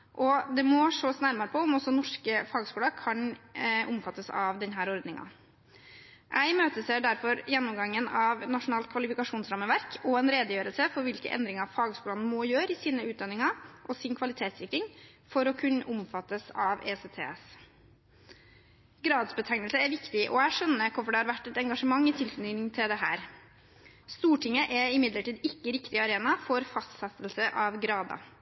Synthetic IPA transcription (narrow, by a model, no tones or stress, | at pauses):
ʔɔd̪ɛmɔʂoːsnæɾmɑɾəpʰɔʊmɔsɔnɔʂkəfɑːɡskuːlɑkʰɑnʔʊmfɑt̪ːəsɑʋd̪ɛnɦæːɾɔɾd̪nɪŋɑ̰ | ʔæɪmøːt̪əsɛɖæɾfɔɾjɛnːʊmɡɑŋːənɑʋnɑʂʊnɑːlt̪̚kʰʋɑlɪfɪkɑʂuːnsɾɑmːəʋæɾkʰɔɛnɾeːd̪əjøːɾəlsəfɔɾʋɪlkə̰ʔɛ̰nd̪ɾɪŋɑfɑːɡskuːlɑnəmɔjøːɾəɪsiːnəʉːt̪̚d̪ɑnːɪŋɑʔɔsɪnkʰʋɑlɪt̪ʰeːt̪sɪkɾɪŋ | fɔɾɔkʰʉnːəʔʊmfɑt̪ːəsɑʋḛːset̪ʰḛːs | ɡɾɑːd̪sbət̪ʰɛŋnəlsəæɾʋɪkt̪ɪʔɔæɪʂœnːəkʰʊɾfɔɖɛhɑɾʋæʈːɛt̪ɛŋɡɑʂəmɑŋːɪt̪ʰɪlkʉninɪŋt̪ʰɪld̪ɛɦæ̰ːɾ | st̪uːʈʰɪŋəʔɛɪmɪd̪ləʈiːd̪ɪkːəɾɪkt̪ɪɑɾeːnɑfɔɾfɑst̪sɛt̪əlsəʔɑʋɡɾɑːd̪ɑ̰